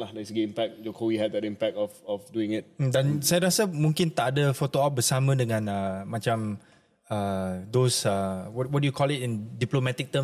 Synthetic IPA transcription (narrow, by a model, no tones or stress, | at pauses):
lahdɛisəɡeĩmpɛk̚d͡ʒɔkʰowihɛt̚dɛtĩmpɛk̚tɔfɔfduɪ̃ŋɪt̚m̩dãnsajɾasəmũŋkĩnt̪aʔadəfot̪oap̚bəsamə̃dəŋãnəmãt͡ʃãm | ədosəwɔt̚wɔt̚dujukʰɔlitĩndiplomɛt̪ik̚t̪ə̃m